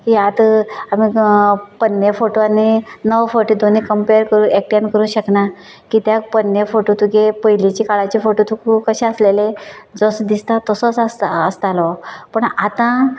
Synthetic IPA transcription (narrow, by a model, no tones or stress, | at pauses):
kijat̪amipənːefoʈoanːenəʋfoɾʈid̪onikəmpeɾkəɾuːek̚ʈãnkəɾuːɕəkna | kiːt̪japənːefoʈot̪ʰukepəɦilit͡ɕikaɭat͡ɕefoʈot̪ʰukukəɕẽəsleled͡zəsd̪ist̪at̪əsət͡sasːst̪alɔpəɳat̪ã